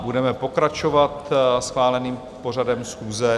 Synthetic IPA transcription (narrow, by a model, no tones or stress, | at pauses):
budɛmɛpo̞kɾat͡ʃovat̪sxʋaːlɛniːm | po̞r̝adɛmsxuːzɛ